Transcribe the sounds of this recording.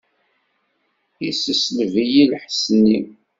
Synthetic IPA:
jisəsləvijilħsənːi

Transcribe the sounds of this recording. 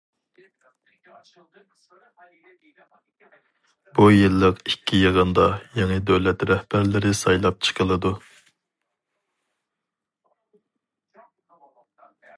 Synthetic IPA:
bujɨlˠːəqikʲʰːijɨʁənd̪ɑjɑŋəd̪øwlɛt̪ɾɛhbæɾlɪɾɪsɑjlˠɑp̚t͡ʃʰɨ̥qʰəlˠɨd̪u

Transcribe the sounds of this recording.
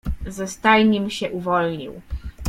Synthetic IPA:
zɛst̪ajɲimɕɛʔuvɔlɲḭw

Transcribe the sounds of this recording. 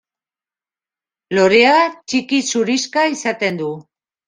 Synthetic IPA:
lo̞ɾe̞at͡ʃikisuɾiskaisat̪e̞nd̪u

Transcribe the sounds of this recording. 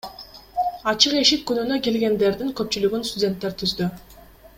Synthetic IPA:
ɑt͡ʃɯqe̞ʃip̚kynynøke̞lɡe̞nd̪e̞ɾd̪iŋkø̞p̚t͡ʃylyɡynst̪ʊdʲe̞nt̪ːeɾt̪ʰyzd̪y

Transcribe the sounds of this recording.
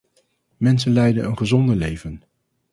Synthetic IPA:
mɛns̬ənlɛjdənənχəzɔndəlejvən

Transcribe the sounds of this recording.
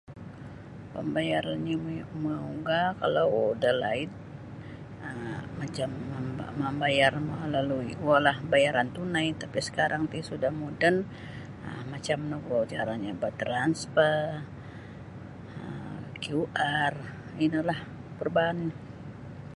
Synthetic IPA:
pə̰mbajaɾanɲaməuɡaka̰lawdəla̰ɪt̪̚ | əmat͡ʃamːəmbajarmalaluiualahbajaɾant̪unajt̪apisə̥kaɾʔaŋt̪isudahmudən | əmat͡ʃamnoɡad͡ʒaɾaɲabat̪ɾanspə | əkiuʔar | inilah | pərban

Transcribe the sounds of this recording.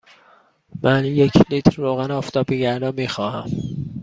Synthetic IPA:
mʔænjecʰlit̪ʰɾːoːɣænɒːft̪ʰɒːbiɡæɾd̪ɒːmiːxɒːhæm

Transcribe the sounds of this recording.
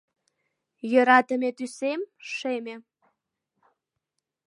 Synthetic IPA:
jøɾɑt̪əmʲet̪ysemʃemʲe

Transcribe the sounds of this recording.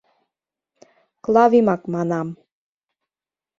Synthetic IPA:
klɑβimɑkmɑnɑm

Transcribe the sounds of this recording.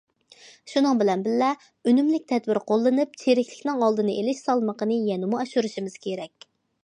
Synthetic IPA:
ʃunɨŋbɪlɛnbɪlːɛ | ønymlɪkʲt̪ʰɛd̪bɪɾqolˠːɨnɨp̚t͡ʃʰeɾɪkʲlɪ̥kʲnɪŋɑlˠd̪ɨnɨʔelɪʃsɑlˠməqənɨjɛnɪmuɛʃuɾuʃimɪz̥kʲʰeɾɛkʲ

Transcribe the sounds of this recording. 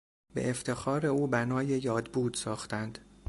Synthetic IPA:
bḛʔeft̪ʰe̞xɒːɾe̞uːbænɒːje̞jɒːd̪buːd̪̥sɒːxt̪ænd̪̥

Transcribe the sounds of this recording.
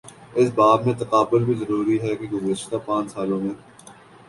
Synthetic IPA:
ɪsbaːbmẽt̪ɐqaːbʊlbʱizɐɾuːɾiɦɛkeɡʊzɪʃt̪apãːt͡ʃsaːlõmẽː

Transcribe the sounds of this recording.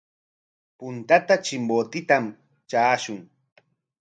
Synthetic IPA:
pʊnt̪at̪at͡ʃɪmbot̪ɪt̪am | t͡ʃaːʃʊŋ

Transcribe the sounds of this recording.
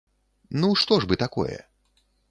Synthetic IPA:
nuʂt̪ɔʐbɨt̪akɔ̰jɛ̰

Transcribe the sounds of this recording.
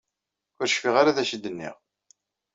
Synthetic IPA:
ʊɾʃfiʁaɾaðæʃəd̪ːənːḭʁ

